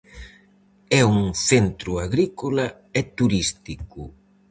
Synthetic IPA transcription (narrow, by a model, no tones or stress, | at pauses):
ɛuŋθent̪ɾuaɣɾikola | ɛt̪uɾist̪iku